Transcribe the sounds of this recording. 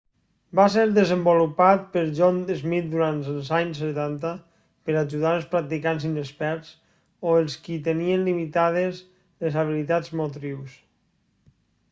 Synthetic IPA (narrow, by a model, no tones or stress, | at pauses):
baseɾðəzəmbulupat̪̚pəɾʒɔnd̪ezmit̪̚d̪uɾant̪əlˠzaɲset̪ant̪ə | pəɾaʒuðaɾəlˠspɾak̚t̪ikanzinəspɛɾt͡s | oelˠskit̪enienlimit̪aðez | lezaβ̞ilit̪ad͡zmot̪ɾiws